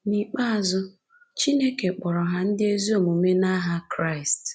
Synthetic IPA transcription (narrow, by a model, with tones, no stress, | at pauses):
ni˨k͡pa˦a˨zʊ˦ | t͡ʃi˦ne˦ke˨k͡pɔ˨ɾɔ˨ɦa˦n̩˦dɪ˦e˦zi˦o˨mu˨me˦na˦ɦa˦kɾa˦˨ɪ˨st